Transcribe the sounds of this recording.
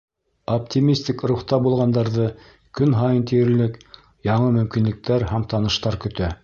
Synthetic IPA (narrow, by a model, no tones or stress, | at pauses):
op̚t̪ʲimʲisʲt̪ʲikɾuχt̪ɑbulˠʁɑnd̪ɑɾðɤ | kɵnɦɑjɤnt̪ijɘ̆ɾlɘk | jɑɴɤmɵ̆mkinlɘ̆k̚t̪æɾhæmt̪ɑnɤ̆ʃt̪ɑɾkɵ̆t̪æ